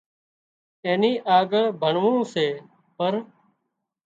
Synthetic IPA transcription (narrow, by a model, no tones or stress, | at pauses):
ẽːniːʔaːɡəɭbʱəɳʋõːseː | pəɾ